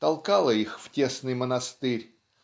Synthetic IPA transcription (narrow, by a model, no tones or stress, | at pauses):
t̪ɐlˠkɑlˠəixftʲesnɨjmənɐst̪ɨɾʲ